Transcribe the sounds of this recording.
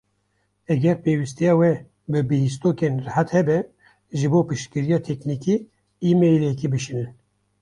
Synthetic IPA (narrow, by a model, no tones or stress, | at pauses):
ɛɡɛɾpeːwist̪ijɑːwɛ | bɨbɨhis̬t̪oːkeːnrɨhæt̪hɛbɛ | ʒɨboːpɨʃt̪kɨɾijɑːt̪ʰɛkniki | iːmejlɛkibɨʃinɨn